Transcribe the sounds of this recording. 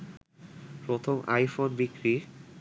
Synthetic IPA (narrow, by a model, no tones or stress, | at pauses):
pɾot̪ʰoma̰jfonbikɾi